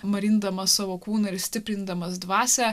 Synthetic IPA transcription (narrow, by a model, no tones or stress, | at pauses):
mɐɾʲɪnd̪ɐmɐsɑːʋoːkuːnɐɪɾsʲt̪ʲɪpʲɾʲɪnd̪ɐmɐsd̪ʋɑːsʲɛ